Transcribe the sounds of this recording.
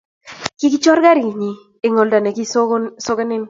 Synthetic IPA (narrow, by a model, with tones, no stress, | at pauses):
ki˦ki˦t͡ʃɔ˦ɾɡa˦ɾi˨ɲi˨ | e˨ŋo˨lda˨ne˨ki˦ssɔ˦kɛ˦nɪ˦n